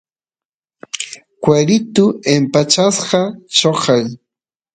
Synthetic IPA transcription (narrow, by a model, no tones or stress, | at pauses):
kwaɾɪt̪ʊempat͡ʃasɢɑt͡ʃoqɑj